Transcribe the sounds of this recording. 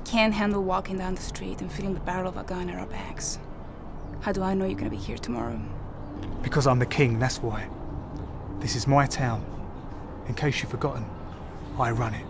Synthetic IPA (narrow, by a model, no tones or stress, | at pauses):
kʰæ̃nɦæ̃ndˡl̩ˠwɔkɪ̃ŋdãʊ̃nðəstɹ̥ḭɾɨ̃nfilˠɪ̃ŋðəbæɾl̩ˠʌvə̰ɡ̥oʊɪ̃ŋəɹa̰ə˞bæ̰ɡ̥z̥ | haʊdəaɪnoʊjə˞ɡʌnəbihiɹtʰəmɔ̰ɹoʊ | b̥ɨkʰʌzãɪ̃mðɨkʰɪ̃ŋðætswaɪ | ðɪsɨzmaɪtʰãʊ̃n | ɨ̃nkʰeɪsʃifəɡɒʔn̩ | aɪɹʌ̃nɪt̚